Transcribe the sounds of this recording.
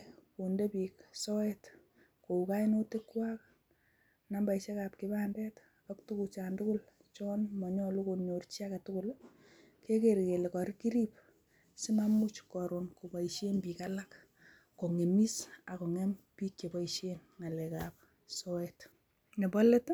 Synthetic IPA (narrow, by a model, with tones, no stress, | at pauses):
ku˨nde˦piː˨ksɔ˦ɛt | ko˨uka˦ino˦tɪ˦kwak | nambaiʃe˦kap̚kɪbaːndɛt | ɔktu˦kut͡ʃaːndʊ˦kʊ˦l | t͡ʃɔ˦nmɔ˨ɲɔ˦lu˦koɲort͡ʃi˦akatʊkʊl | ke˦ke˨ɾke˨le˨kɔ˨ɾki˦ɾi˦p̚ | si˦mamu˦t͡ʃkɔɾonko˨pa˨iʃe˦nbiːkalak | ko˨ŋe˨mi˦sa˨ko˨ŋɛmpi˦kt͡ʃe˨ba˦iʃenŋa˨lɛkap̚ | sɔ˦ɛt | ne˨bɔ˦le˦t